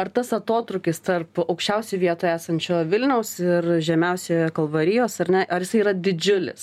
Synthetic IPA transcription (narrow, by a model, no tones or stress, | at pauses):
ɐrt̪ɐsɐt̪oːt̪ɾʊkʲɪst̪ɐrpɐʊkʃʲt͡ʃʲɛʊsʲɛɪʋʲiɛt̪oːjæːsɐnʲt͡ʃʲoːʋʲɪlʲnʲɛʊsɪrʒʲɛmʲɛʊsʲekɐlˠʋɐɾʲɪjoːsɐɾʲnʲɛʔɐɾjɪsɐɪiːɾɐd̪ʲɪd͡ʒʲʊlʲɪ̰s